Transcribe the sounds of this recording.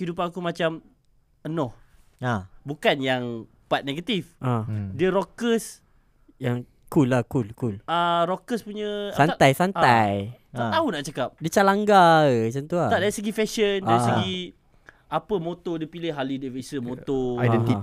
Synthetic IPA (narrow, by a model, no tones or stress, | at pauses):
hidupanakumat͡ʃam | ənɔh | bukanjaŋ | pat̪̚neɡət̪ifʔãdiəɾokəs | jaŋ | kulahkulkulaɾokəspuɲə̃sanajsanaj̪ | at̪aunaʔt͡ʃakap̚dit͡ʃalaŋɡaət͡ʃant̪uat̪adaɾisəɡifɛʃəndaisəɡi | apəmot̪ɔdiəpilehalidəvesəmot̪oaɛi